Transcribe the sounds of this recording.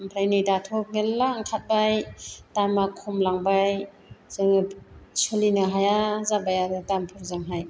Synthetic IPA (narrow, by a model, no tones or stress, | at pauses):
mpʰɾajnijdatʰɔp̚ŋelːaŋkʰat̚bajtajmakʰːɔmlaŋbaj | zɯŋsɔlinɯɦajazabajaɾɯtampʰɔɾzaŋɦaj